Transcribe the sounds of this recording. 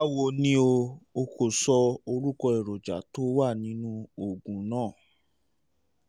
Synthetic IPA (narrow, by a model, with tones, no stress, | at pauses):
a˦˨wo˧nĩ˦o˧o˧ko˨sɔ˧o˧ɾu˦kɔ˧ɛ˨ɾɔ˨d͡ʒa̰˨to˨˦wa˦˨nĩ˨˦nũ˦o˦˨ɡũ˨nãː˦˨